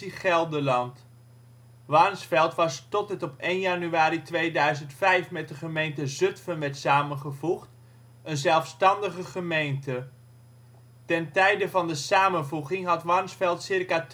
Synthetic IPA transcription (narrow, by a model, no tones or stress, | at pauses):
iχɛlˠdəlɑnt | ʋɑrnsfɛlˠtʋɑstɔt̚ətɔpejnjanyaːɾitʋejdœɥzəntfɛjfmɛt̚dəχəmejntəzɵtfənʋɛɹtsaːmənχəvuχt | ənzɛlˠfstɑndəχəχəmejntə | tɛntɛjdəvɑndəsaːmənvuχɪŋɦɑtʋɑrnsfɛlˠtsɪrkat